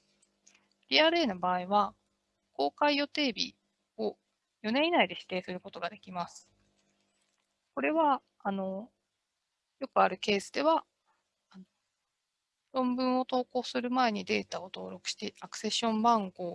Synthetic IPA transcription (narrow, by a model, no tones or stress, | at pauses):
ɾʲiaɾɯ̟eːnobaːiβa | ko̞ːkaijo̞t̪e̞ːbʲḭ | o̞ | jo̞ne̞inaid̪e̞ɕi̥t̪e̞ːsɨɾɯ̟ko̞t̪o̞ɡad̪e̞kʲimasɨ̥ | ko̞ɾe̞βaː | no̞ | jo̞kɯ̟aɾɯ̟ke̞ːsɨd̪e̞βa | ano | ɾõ̞mbɯ̟̃ɰ̃o̞t̪o̞ːko̞ːsɨɾɯ̟mae̞ɲ̟id̪e̞ːt̪ao̞t̪o̞ːɾo̞kɯ̟̥ɕi̥t̪e̞ʔakɯ̟̥se̞ɕːõ̞mbãŋɡo̞ː